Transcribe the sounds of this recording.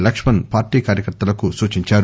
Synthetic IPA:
lɐkʂmɐnpaːɾʈiːkaːɾjɐkɐɾt̪ːɐlɐkusuːt͡ʃiɲt͡ʃaːɾu

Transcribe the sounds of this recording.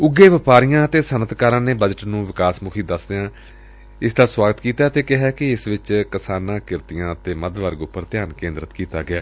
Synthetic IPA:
ʊɡːeːʋɪpaːɾijãːət̪eːsənət̪kaːɾãːneːbəd͡ʒəʈnũːʋɪkaːsmʊkʰiːd̪əsd̪ejãː | ɪsd̪aːswaːɡət̪kiːt̪aːt̪eːkɪɦaːkɪɪsʋɪt͡ʃkɪsaːnãːkɪɾt̪ɪjãːt̪eːməd̪ʋəɾɡʊpːəɾt̪ɪjaːnkẽːnd̪ɾət̪kiːt̪aːɡɪaː

